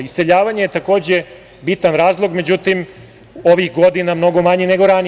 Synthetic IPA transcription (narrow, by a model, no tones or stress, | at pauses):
ise̞ʎaːʋaɲejet̪ako̞ːd͡ʑe̞ | bit̪anɾaːzlˠo̞ɡmed͡ʑut̪im | oʋixɡo̞d̪inamno̞ɡo̞maɲene̞ɡo̞ɾani